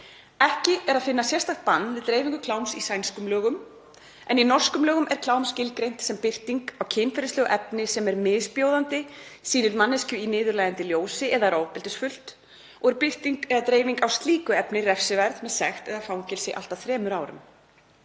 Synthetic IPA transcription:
ɛhcɪɛɾaðfɪnːasjɛrst̪apant̪ːvɪðt̪ɾeːjviŋkʏkʰlaːwmsisajnskʏmlœːɣʏm | ɛninɔr̥skʏmlœːɣʏmʔɛɾ̥kʰlaːwmscɪlkɾejn̥t̪sɛmpɪr̥t̪iŋkawcʰɪːnfɛːɾɪst̪œːɣʏʔɛpnɪsɛmɛɾmɪːðspjowðant̪ɪsiːnɪɾmanːɛscʏinɪːðʏɾlaːjant̪ɪljoːwsɪʔɛðaɾoːwpɪlt̪ɪsfʏl̥t̪ | ɔɣɛɾpɪr̥t̪iŋkɛðat̪ɾeːjviŋkawst̪liːkʏɛpnɪrɛfsɪvɛɾðmɛðsɛxt̪ɛðafawŋcɛlsɪʔa̰lt̪aθɾɛːmʏɾaːwɾʏ̰m

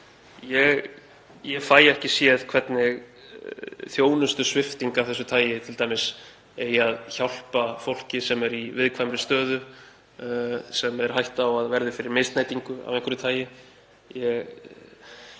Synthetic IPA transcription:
jɛɣ | jɛfaːjɛhcɪsjɛðkʰvɛt̪nɪɣ | θjoːwnʏst̪ʏsvɪft̪iŋkavθɛsːʏt̪ʰaːjɪt̪ʰɪlt̪aːjmɪs | ejaðçawl̥pafowl̥cɪsɛmɛɾivɪðkʰvajmɾɪst̪œːðʏ | sɛmɛɾ̥hajht̪awaðvɛɾðʏfɪɾɪɾmest̪najt̪iŋkʏa̰vɛŋkʰʏɾʏt̪ʰaːjɪ | jɛɣ

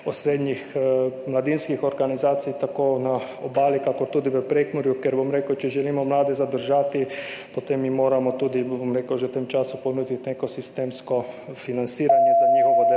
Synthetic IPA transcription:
ɔsɾeːd̪ɲixmlad̪inskixɔɾɡanizaːt̪sijt̪akoːna | obaːlikakɔɾt̪uːd̪iʋəpɾeːkmɔɾjukɛɾbomɾeːkəwt͡ʃɛʒɛliːmɔmlaːd̪ɛzad̪əɾʒaːt̪ipot̪emːimoːɾamɔt̪uːd̪ibomɾeːkəwʒɛwt̪emt͡ʃaːsuponuːd̪it̪nekɔsist̪eːmskɔfinansiːɾanjɛzaɲixɔʋɔd̪ɛ

